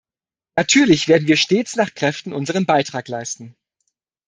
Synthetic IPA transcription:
natʰyːɐlɪçv̥eːɐdn̩viːɐʃteːt͡snaːχkʁ̥ɛftn̩ʔʊnzəʁ̞ənbaɪtʁ̥aːklaɪstn̩

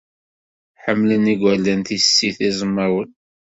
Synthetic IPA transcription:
ħəmːləniɡʷælːænt̪isːiθizˤəmːəwən

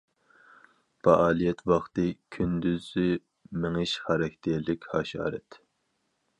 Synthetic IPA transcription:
fɑʔɑːlijɛt̪ʰwɑχt̪ɨkʲʰynd̪yzy | mɪŋɪʃχɑɾɛkʰʲt̪ʰɛɾlɪkʲhɑːʃɑ̰ːɾɛt̪

